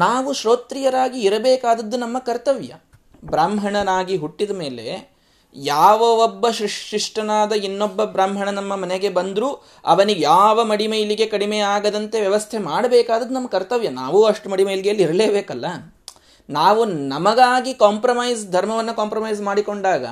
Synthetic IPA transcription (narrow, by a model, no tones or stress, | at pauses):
naːʋuʃɾoːt̪ɾijɐɾaːɡiːɾɐbeːkaːd̪ɐd̪ːunɐmːɐkɐɾt̪ɐʋjɐ̰ | bɾaːmɦɐɳɐnaːɡiɦuʈːid̪ɐme̞ːle̞̰ | jaːʋɐobːɐʃɾiʂiʂʈɐnaːd̪ɐinːobːɐbɾaːmɦɐɳɐnɐmːɐmɐneɡe̞bɐnd̪ɾuː | ɐ̰ʋɐniɡjaːʋɐmɐɽimɐjliɡe̞kɐɽimeaːɡɐd̪ɐnt̪e̞ʋjɐʋɐst̪ʰemaːɽɐbɛːkaːd̪ɐd̪ːunɐmːɐkɐɾt̪ɐʋjɐna̰ːʋuːɐʂʈumɐɽimɐjliɡejɐlːiɾɐleːbeːkɐlːɐ | naːʋunɐmɐɡaːɡikaːmpɾɐmɐjsd̪ʱɐɾmɐʋɐnːɐkaːmpɾɐmɐjs̬maːɽiko̞ɳɖaːɡɐ̰